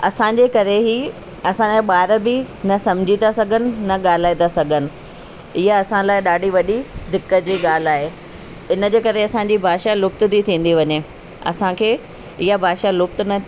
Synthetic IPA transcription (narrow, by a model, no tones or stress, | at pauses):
ɐsãːd͡ʑeːkɐɾeɦiː | ɐsãɓaːɾəbɪnɐsɐ̃m̤d͡ʑʱit̪asɐɡʱənɪ̆nɐɠaːl̤aːit̪asɐɡʱənɪ̆ | ɪɦaɐsãlaːɪɗaːɖʱiʋɐɗid̪ɪkːəd͡ʑiːɠaːl̤aːɦeː | ɪnə̆d͡ʑeːkɐɾeɐsãɲd͡ʑibʱaːʃalʊkt̪d̪it̪ʰĩːn̆d̪iʋɐɲe | ɐ̰sãkʰeː | ɪɦabʱaːʃalʊk̚t̪nɐ